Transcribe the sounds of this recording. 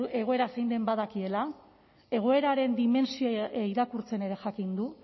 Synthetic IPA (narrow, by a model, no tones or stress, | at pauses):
e̞ɣ̞o̞e̞ɾasejnd̪e̞mbaðakie̞la | e̞ɣ̞o̞e̞ɾaɾe̞nd̪ime̞nsioiɾakuɾt͡se̞ne̞ɾe̞ʝakind̪u